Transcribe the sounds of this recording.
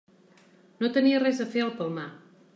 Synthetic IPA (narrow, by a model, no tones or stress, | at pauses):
not̪əniərɛzəfeəlˠpəlˠma